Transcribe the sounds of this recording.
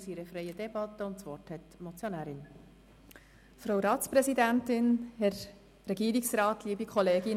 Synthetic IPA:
siɾəfɾejədɛb̥ɑt̪ːəʊntsʋɔrthɛt̪mɔt͡sjonæːɾɪn | fɾowɾɑːtt͡spɾɛsid̪æntɪnhɛɾ | ɾɛɡiːɾiksɾɑːtliːbikʰχɔleːɡɪn

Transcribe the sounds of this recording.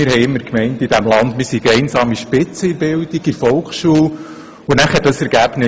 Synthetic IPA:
ɪɾɦɛɪjɪmːəɾkmɛɪntid̥æmlɑndmɪsiɡɛɪnsɑːmiʃpɪt͡səibɪldiɡ̥ifɔlˠkχʃuːl | unæχəɾdɑsɛɾɡ̥æb̥nɪ

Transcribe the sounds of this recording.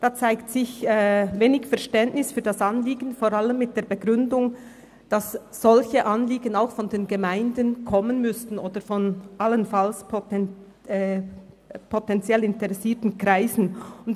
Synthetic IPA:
d̥aːt͡saɪktsɪçɛveːnɪçfɛɐʃtɛntnɪsfyːɐdasanliːɡən̩foɾʁaləmːɪt̚d̥eːɐbəɡʁʏndʊŋ | d̥as | z̥ɔlçəʔanliːɡənaʊxfɔndeːnɡəmaɪndənkʰɔmənmʏstn̩oːd̥əɾfɔnʔalənfalspʰː | pʰotɛnt͡sjɛlɪntɛʁɛsiːtn̩kʁ̥aɪzn̩ʊnt

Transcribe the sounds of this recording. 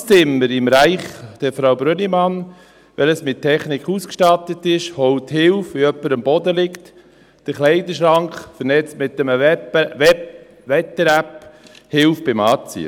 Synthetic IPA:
sɪmːəɾɪmɾæɪχd̥əfɾawbɾønimɑn | ʋɛləsmɪt̚tʰːɛχnɪkχuskʃtɑtət̪ːɪʃhɔwt̪hɪlfʋiœpːəɾɑmbɔd̪əlɪkt | d̥əɾχlɛɪdəʃɾɑŋkχfənɛt͡stmɪt̪ːəməɛɛ | ʋɛt̪əɾæphɪlfbɪmɑːt͡sḭə̰

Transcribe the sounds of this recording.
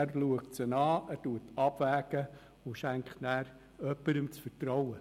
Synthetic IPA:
rluəktsənɑːæːtuətʰɑb̥væːɡ̥ə | ʊʃæŋkχtnæːɾ | œpːəɾəmt͡sfəɾtɾɔwə

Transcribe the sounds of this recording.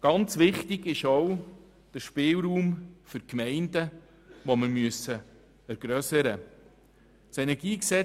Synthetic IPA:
ɡ̥ɑnt͡sʋɪχtɪɡɪʃɔw | d̥əʃpɪːlɾuːmfʏɾkmɛɪndə | ʋoməɾmyəsə | ɛɾɡ̥ɾœsəɾə | sɛnɛɾɡiːksɛ

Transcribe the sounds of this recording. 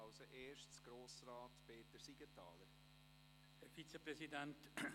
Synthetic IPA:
aʊsəʔeːʃt͡sɡ̥ɾoːsrɑːtpeːtəɾsiɡ̥ətʰɑːləɾ | hɛfit͡səprɛsidɛnt

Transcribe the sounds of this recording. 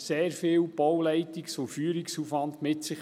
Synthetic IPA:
seːɾfɪːlb̥ɔwlɛɪtiksofyːɾiksuːfʋɑndmɪtsɪχ

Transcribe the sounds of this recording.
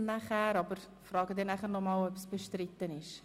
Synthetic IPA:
næχæːɾɑbər | frɑːɡədɛnæχərnɔmɑːləpəsbəʃtritəniʃ

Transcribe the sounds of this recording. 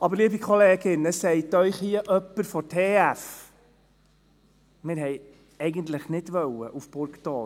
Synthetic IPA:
ɑbəɾliəbikχɔleːɡɪnəsɛɪtœʏχhiəʔœpːəɾfɔtʰeːæf | mɪɾɦɛɪ | ɛɪɡəntləχnɪdvʋœləʔufb̥ʊɾktɑː

